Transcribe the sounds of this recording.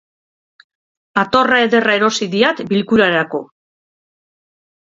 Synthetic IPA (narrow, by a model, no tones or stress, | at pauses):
at̪o̞rae̞ðe̞rae̞ɾo̞siðiat̪bilkuɾaɾako̞